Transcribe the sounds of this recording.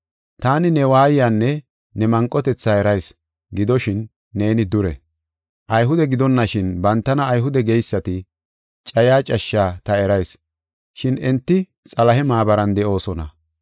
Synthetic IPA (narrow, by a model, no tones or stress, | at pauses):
t̪aːnɪnɛwaːjjaːnːɛ | nɛmɐŋkʼːɔt̪ɛt͡sːaːɛɾɐjs | ɡɪd̪ɔʃɪnː | e̞ːnɪd̪ʊɾɛ̰ | ʔɐjɦʊd̪ɛɡɪd̪ɔnːɐʃɪnbɐnt̪ːɐnɐːjɦʊd̪ɛɡɛjsːɐt̪ɪ | t͡ʃʼɐjaːt͡ʃʼɐʃːaːt̪ɐɛɾɐjs | ʃɪnɪnt̪ːɪ | t͡sʼɐlɐɦɛmaːbɐɾɐnd̪ɛʔo̞ːsɔnɐ̰